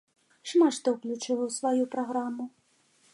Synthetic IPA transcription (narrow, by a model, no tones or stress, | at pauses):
ʂmaʂt̪ɔwklʲut͡ʂɨlɐwsvajupɾaɣɾamʊ